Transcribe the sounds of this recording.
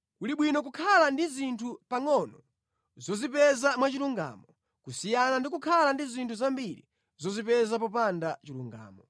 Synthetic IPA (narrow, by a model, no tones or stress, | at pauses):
kuliɓwinɔk̬ukʰalandizintʰupaŋɔnɔ | zɔzipɛzamwat͡ʃiluŋɡa̰ːmɔ | kusijanandik̬ukʰalandizintʰuzambiɾḭ | zɔzipɛzapɔpandat͡ʃilṵŋɡa̰ːmɔ